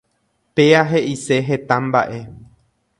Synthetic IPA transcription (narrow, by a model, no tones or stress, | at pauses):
pe̞aɦe̞ʔise̞ɦet̪ãmba̰ʔe̞